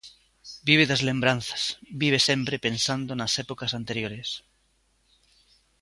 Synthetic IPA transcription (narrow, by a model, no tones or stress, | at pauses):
biβ̞eðazlẽmbɾanθḁsbiβ̞esẽmpɾepẽnsand̪onasepokasant̪eɾjoɾes